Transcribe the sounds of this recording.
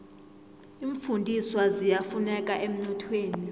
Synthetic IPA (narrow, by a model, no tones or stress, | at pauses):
iɱfundʱiswazijafunɛkʼaʔem̩nɔtʰweːni